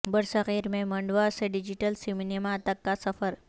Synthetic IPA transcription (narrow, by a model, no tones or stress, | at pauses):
bəɽsəɣiɾmẽməɳɖʋaseɖid͡ʑiʈəlsiminimat̪akːasəfəɾ